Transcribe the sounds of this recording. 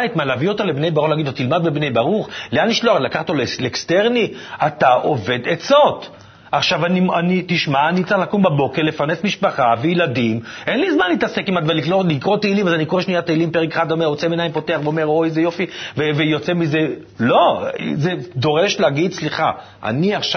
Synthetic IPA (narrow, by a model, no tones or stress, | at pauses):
it̪malavio̞t̪alebnejbaʁuχlaɡidlot̪ilmad̪̚bebne̞jbaʁuχleaniʃloaχelakaχt̪ollekst̪eʁniataʔove̞d̪et͡sot̪ | aχʃavanianit̪iʃmaanit͡seχlakumbabo̞keʁlefaʁnesmiʃpaχavejlad̪imenlizmanlit̪ase̞kimat̪valikolikʁo̞t̪eilimazanikoʁeʃnijat̪eilimpeʁekeχad̪omeʁot͡semenaimpo̞t̪eaχveomeʁojzejo̞fivevejo̞t͡semize̞ | lo̞zed̪o̞ʁe̞ʃleaɡid̪t͡sliχa | ʔa̰niaχʃ